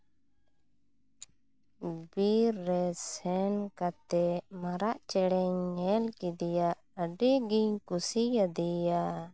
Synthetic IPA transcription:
biɾːɛsɛnkat̪ɛmaɾaʔt͡ʃɛɽɛɲːɛlkid̪ɛjaʔəɖiɡiɲkusijad̪ija

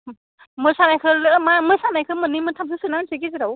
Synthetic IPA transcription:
mɯsanajkʰəlɯmamɯsanajkʰəmənːimənt̪ʰamsʰɯsɯnasikizaɾɔw

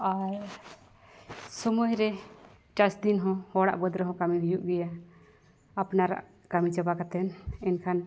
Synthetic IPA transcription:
aɾ | sɔmɔjɾɛ | ʈasd̪inɦɔ̃hɔɽa̰ʔbəd̪ɾəɦɔ̃kamibijuʔɡɛja | apnaɾa̰ʔ | kamit͡ʃəbakat̪ɛnɛnkʰan

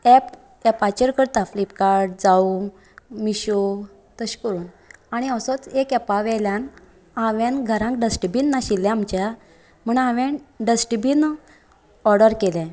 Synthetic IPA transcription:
ɛp | ɛpat͡ɕəɾkəɾt̪aflipkaɾɖd͡zau | miɕo | t̪əɕkəɾuːn | aɽ̃iəsɔt͡sekɛpaʋɛljan | aʋenɡʱəɾãŋkɖəsʈibinːaɕilːjãamt͡ɕja | m̤əɳãʋẽnɖəsʈbin | ɔɾɖəɾkeljã

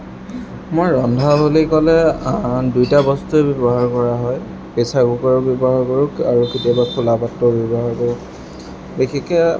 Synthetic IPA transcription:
mojɹɔndʱabʱolikɔlɛ | dujtabɔstuɛbɔbɔɦaɹkɔɹaɦɔj | pesaɡukɔɹɔbjɔbɔɦaɹkɔɹʊaɹuketiɔbakʰulapatːɔbjɔbɔɦaɹkɔɹʊ | bexʰekɛ

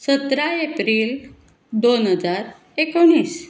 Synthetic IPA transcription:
sət̪ɾaepɾiːl | d̪onɦəd͡zaɾ | ekəʋɳːiːs

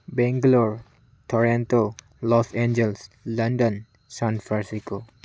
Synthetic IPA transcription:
bɛ̃ŋɡlɔɹ | t̪ʰɔɾɛ̃nt̪o | lɔsɛ̃nd͡ʒɛlslãndə̃n | sãnfaɾsiko

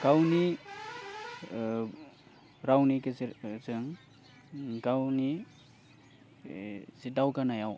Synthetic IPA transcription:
ɡ̥awni | ɾawnikezɯŋ | ɡawni | sidawkanajaw

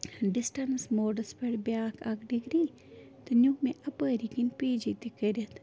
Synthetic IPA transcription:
ɖisʈɐnsmoːɖɐspeɽbjaːkʰɐkɖiɡɾiː | t̪ɐnʲukmẽʔɐpəːɾikinpiːd͡ʒit̪ikɐɾʲɐt̪ʰ

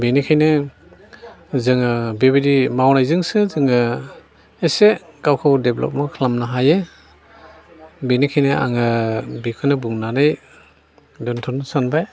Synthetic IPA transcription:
benikʰajnɯ | zɯŋɯbebidimawnajzɯŋsɯzɯŋɯ | esekawkʰawdeblɔ̰p̚mɔkʰlamnaɦaje | benikʰajnɯa̰ŋɯbikʰɯnɯbuŋnanɯj | dɔntʰunsanbaj

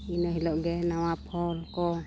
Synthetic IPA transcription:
inɔɦilɔʔɡɛnawapʰɔlkɔ

